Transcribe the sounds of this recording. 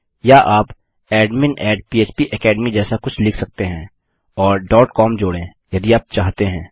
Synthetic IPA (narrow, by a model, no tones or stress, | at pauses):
jaʔaːp | ɛːɖmɪnɛːɖpiːeːt͡ʃpiʔɛkɛːɖmid͡ʒɛːsakʊt͡ʃʰlɪkʰsɐk̚t̪eɦɛ̃ː | ɔːɾɖɔːʈkɔːmd͡ʒoːɽẽ | jɐd̪iaːp̚t͡ʃaːɦt̪eɦɛ̃ː